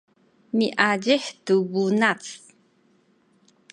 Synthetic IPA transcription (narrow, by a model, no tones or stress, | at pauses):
miʔaɟiħtubunat͡s